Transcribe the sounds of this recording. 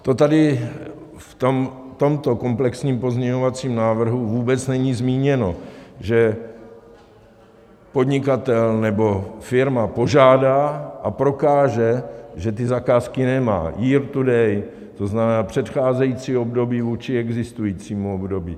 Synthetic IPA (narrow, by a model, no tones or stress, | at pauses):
t̪o̞t̪adɪ | ft̪omt̪o̞mt̪o̞komplɛksɲiːmpo̞zɲɛɲo̞vat͡siːmnaːvr̩ɦuvuːbɛt͡snɛɲiːzmiːɲɛno̞̰ʒɛ | po̞d̪ɲɪkat̪ɛlnɛbo̞fɪɾmapo̞ʒaːdaːʔapɾo̞kaːʒɛʒɛt̪ɪzakaːskɪnɛma̰ːjiːɾt̪udɛj | t̪o̞znamɛnaːpr̝̥ɛt̪xaːzɛjiːt͡siːo̞bdo̞biːvuːt͡ʃɪɛɡzɪst̪ujiːt͡siːmuobdo̞bḭː